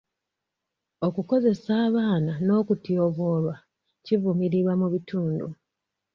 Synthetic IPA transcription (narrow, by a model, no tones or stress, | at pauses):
o̞kuko̞ze̞saːβaːnano̞ːkutioβo̞ːɾwa | civumiɾiβwamuβituːndṵ